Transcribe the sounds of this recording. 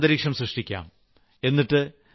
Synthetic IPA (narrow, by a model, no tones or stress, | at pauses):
d̪ɐɾiːkʂɐmsɾɨʂʈikʲːa̰ːm | e̞nːiʈːɨ